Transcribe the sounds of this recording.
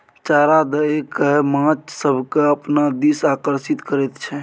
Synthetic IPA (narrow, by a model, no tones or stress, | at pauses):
t͡ʃaɾad̪əekemãt͡ʃsəbʱkeəpnad̪isaːkəɾsit̪kəɾɛt̪t͡ʃʰɛ